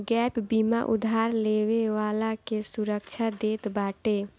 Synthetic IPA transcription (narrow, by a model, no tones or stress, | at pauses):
ɡɛpbimaʔṵd̪ʱaɾleweʋalakesuɾəkt͡ʃʰad̪et̪baʈe